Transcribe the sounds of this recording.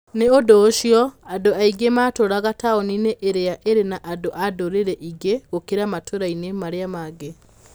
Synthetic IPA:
neodoːʃjɔadoaiɡemaːtoɾaɣataɔnineʔeɾeaʔeɾenaʔadoʔadoɾeɾɛʔiɡeɣokeɾamatʰoɾainemaɾeamaɡe

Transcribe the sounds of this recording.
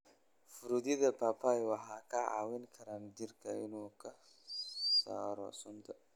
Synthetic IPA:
fuɾud̪id̪əpapajwaɦakaa̰winkʰaɾand̪iɾkajinoka | saɾa̰sund̪a

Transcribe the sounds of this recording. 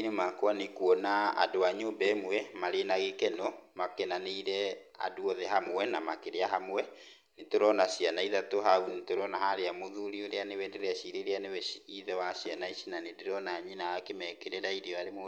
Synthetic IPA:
numakwanekuɔnaa̰doaɲoːmbɛːmwɛmaɾenaɣekɛnɔmakenaneiɾɛ | a̰duɔðɛɦamwɛnamakeɾeaɦamwɛ | netoɾɔnaɕianaiðatoɦaunetoɾɔnaɦaɾeamoðuɾioɾeanewɛndeɾaʃiɾeɾeanewɛiðɛwaɕianaiʃinanedeɾɔnaɲinaakemɛkeɾɛɾaiɾiɔaɾemo

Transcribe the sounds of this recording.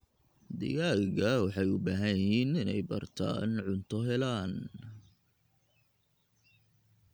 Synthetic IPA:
d̪ɪ̰ɣaːɣɐwɑħɑjʊbaːɦɐjɪhiːnɪnɛ̰jbɐ̰rt̪ʰa̰ːnʕʊnt̪ʰɔɦɛlaːn

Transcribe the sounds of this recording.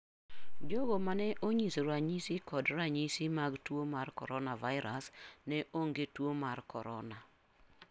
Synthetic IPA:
d͡ʒɔɡɔmanɛʔoɲisɾaɲisikɔdɾaɲisimaɡtwomarkɔɾɔnavaɪɾasnɛʔoŋɡetwomarkɔɾɔna

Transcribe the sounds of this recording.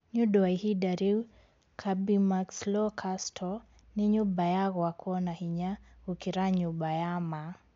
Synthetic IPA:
ɲuɗɔaihidaɾiw | kʰabimakslɔkʰastʰɔ | niɲubajaɣɔwakuɔnahiɲaukiɾaɲubajama

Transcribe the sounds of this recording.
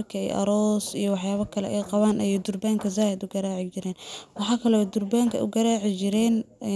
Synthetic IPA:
rkʰɐɛ̰jʔɐ̰ɾɔːsijɞwɑħjaːβɐkʰɐlɛ̰ʔɛjqɑβaːnʔɛjd̪ʊrbaːŋkʰɐzaːhɛd̪ʊɡɐɾaːʕɪt͡ʃɪɾɛːnwɑħɑːkʰɐlɛɛd̪ʊrbaːŋkʰɐ̰ʔʊ̰ɡɐɾaːʕɪt͡ʃɪɾɛːn

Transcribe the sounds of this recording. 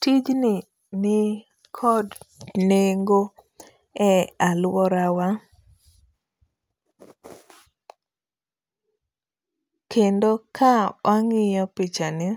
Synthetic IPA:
tid͡ʒnɪ | nɪ | kʰɔdneŋɡo | ɛalwɔɾawa | kʰendokʰawʔaŋɪjɔpɪt͡ʃanɪ

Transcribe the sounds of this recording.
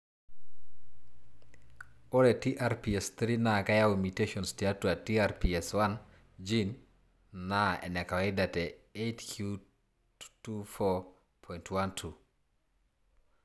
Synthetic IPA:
oɾɛtiʔaɾpiɛst̪ɾinakajawimiteʃɔnstiatuatiaɾpiɛswan | d͡ʒinː | aɛ̰nɛkawedatɛetkʰju | tufɔ | pʰɔjntʰwantʰu

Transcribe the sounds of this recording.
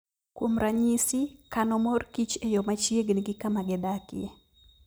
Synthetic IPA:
kwomɾaɲisikanɔmɔrkit͡ʃejɔmat͡ʃjeɡniɡɪkamaɡɛdakɪḛ

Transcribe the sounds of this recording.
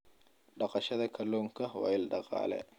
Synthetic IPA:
ɖɑqɑʃɐðɐkʰɐlɔːŋkʰɐwɑ̰ːɪlɖɑqɑ̰ːlɛ̰

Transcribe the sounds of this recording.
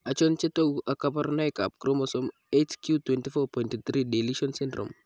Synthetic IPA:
at͡ʃɔnt͡ʃetowʔakapaɾnajka̰p̚kɾɔmɔsɔm | etkʰjutwɛntifɔpɔjntt̪ɾideliʃɔnsɛndɾɔ̰m

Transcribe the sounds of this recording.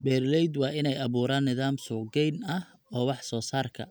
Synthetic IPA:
bɛːrlɛjd̪wɑːʔɪnɛjɐβuːɾaːnːɪðaːmsʊːɡɛjnɐh | ɔːwɑħsɔːsaːrkʰɐ̰

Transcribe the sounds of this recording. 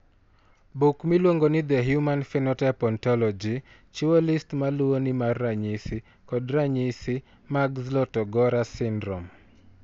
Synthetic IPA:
bukmilwoŋɡonɪd̪ɛɦjumanfɛnɔtɛpɔntɔlɔd͡ʒi | t͡ʃuolistmaluonɪmarːaɲisi | kɔdɾaɲisi | maɡzlɔtɔɡɔɾasɪndɾɔ̰m

